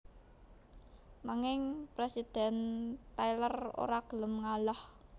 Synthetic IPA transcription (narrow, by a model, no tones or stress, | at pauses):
naŋɪŋpɾesid̪̥ɛ̤nt̪ajləro̰ɾaɡ̥ələmŋalah